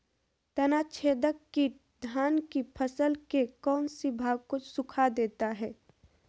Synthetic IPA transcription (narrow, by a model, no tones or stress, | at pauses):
t̪ɐnat͡ʃʰeːd̪əkːi | d̪ʱaːnkipʰəsəlkekɔːnsibʱaːɡ̚kosʊkʰad̪eːt̪aɦɛː